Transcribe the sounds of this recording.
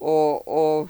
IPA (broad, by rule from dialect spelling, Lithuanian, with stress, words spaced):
ˈoː ˈoː